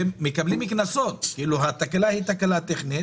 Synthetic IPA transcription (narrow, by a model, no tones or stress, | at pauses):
eːekablimiknasot̪kiiluɦat̪akalahit̪akalat̪eχni